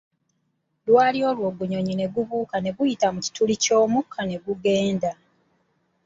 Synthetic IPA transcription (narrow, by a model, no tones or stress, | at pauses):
lwaːlio̞ːlwo̞ːɡuɲo̞ɲine̞ɡuβuːkane̞βujitamuci̥tulico̞ːmukʰːane̞ɡuɡe̞ːnda